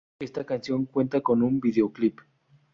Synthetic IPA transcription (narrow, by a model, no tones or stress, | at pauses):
e̞st̪akansjo̞ŋkwe̞nt̪ako̞numbiðeoklip